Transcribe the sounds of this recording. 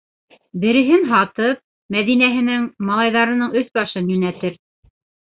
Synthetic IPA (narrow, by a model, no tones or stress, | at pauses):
bɘ̆ɾɘ̆ɦɘnɦɑt̪ɤp̚ | mæðinæɦɘ̆nɘŋmɑlˠɑjðɑɾɤ̆nɤɴɵθbɑʃɤnjɵnæt̪ɘɾ